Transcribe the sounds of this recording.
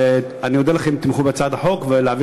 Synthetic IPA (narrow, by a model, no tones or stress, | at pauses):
e | anijod̪elaχemt̪imχubet͡sad̪aħo̞kveleavi